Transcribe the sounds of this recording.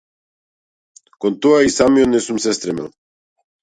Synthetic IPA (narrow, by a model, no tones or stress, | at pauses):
kont̪uaisamionesumsest̪ɾemḛl